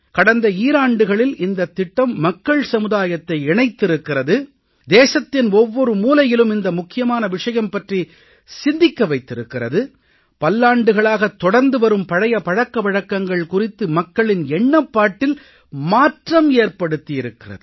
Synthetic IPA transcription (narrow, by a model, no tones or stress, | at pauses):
kɐɽɐnd̪ɐiːɾaːɳɖɯɣɐɭɪlɪnd̪ɐt̪ːɪʈːɐmːɐkːɐɭsɐmɯðaːjɐt̪ːɐɪɛɳɐɪt̪ːɪɾɯkːɪrɐðɯ | d̪eːsɐt̪ːɪnɔʋːɔɾɯmuːlɐjɪlɯmɪnd̪ɐmʊkːɪjɐmaːnɐʋɪʂɐjɐmpɐʈri | sɪnd̪ɪkːɐʋɐɪt̪ːɪɾɯkːɪrɐ̰ðɯ | pɐlːaːɳɖɯɣɐɭaːɣɐt̪ːɔɽɐɾnd̪ɯʋɐɾɯmpɐɻɐjɐpɐɻɐkːɐʋɐɻɐkːɐŋɡɐɭkʊrɪt̪ːɯmɐkːɐɭɪnɛɳːɐpːaːʈːɪl | maːʈrɐmeːrpɐɽɯt̪ːijɪɾɯkːɪrɐ̰ðɯ